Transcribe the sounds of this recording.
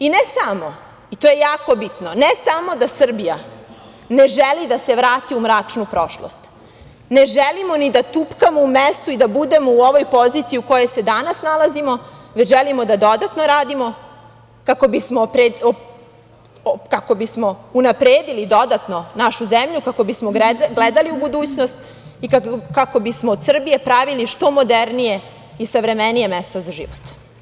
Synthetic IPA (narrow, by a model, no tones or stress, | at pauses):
inesamo̞ | it̪oːje̞jaːko̞bit̪nonesamo̞d̪asr̩bija | neʒelid̪ase̞ʋɾaːt̪iumɾaːt͡ʂnupɾo̞ʃlo̰st̪ | ne̞ʒelimonid̪at̪upkamoumest̪uid̪abud̪e̞mouo̞ʋo̞jpo̞zit̪siuko̞je̞jse̞d̪anasnalazimo̞ʋet͡ɕʒelimod̪ad̪o̞d̪at̪no̞ɾaːd̪imo̞ | kako̞bismopɾe | kako̞bismo̞unapɾeːd̪ilid̪o̞d̪at̪no̞naʃuzemʎukako̞bismoɡled̪aliubud̪uːt͡ɕnost̪ | ikakako̞bismoːd̪sr̩bije̞pɾaʋiliʃt̪o̞mo̞d̪eɾnije̞ | isaʋɾe̞menije̞mest̪o̞zaʒḭʋot̪